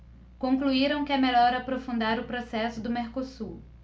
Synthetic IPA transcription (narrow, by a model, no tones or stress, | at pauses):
kõŋkluiɾɐ̃w̃kɪɛmeʎɔɾapɾofũnd̪aɾʊpɾosɛsʊd̪ʊmeɾkosu